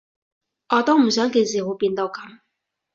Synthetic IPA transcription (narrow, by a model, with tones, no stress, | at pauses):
ʔɔː˨˧t̪ɔː˥ŋm̩˨˩s̬œː˨˥ŋke˧js̬iː˨˧ho˨˧wpiː˧nt̪o˧wkɐ˨˦m